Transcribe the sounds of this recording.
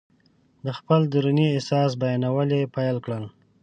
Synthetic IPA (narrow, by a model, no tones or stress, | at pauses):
d̪əxpəld̪uɾuniɪsɑs̬bajɑnawəlepajəlkɽəl